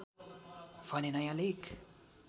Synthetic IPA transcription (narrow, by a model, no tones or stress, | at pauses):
fanenajalek